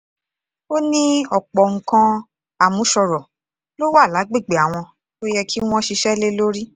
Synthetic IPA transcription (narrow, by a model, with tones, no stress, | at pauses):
o˦nĩ˦ɔ˨k͡pɔ˨ŋ̩˨kã˧ | a˨mũ˨˦ʃɔ˧ɾɔ˨ | lo˦wa˦˨la˨˦ɡ͡be˦˨ɡ͡be˨a˨w̃ɔ̃˧ | to˦jɛ˧kʰi˦w̃ɔ̃˦ʃi˧ʃɛ˦le˦lo˦ɾi˦